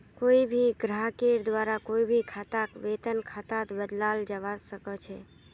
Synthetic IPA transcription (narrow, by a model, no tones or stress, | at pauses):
koibʱiɡɾaɦkeɾd̪ʋaɾakoibʱikʰat̪akʋet̪ənkʰat̪at̪bəd̪lald͡ʒəβasəkət͡ʃʰɛ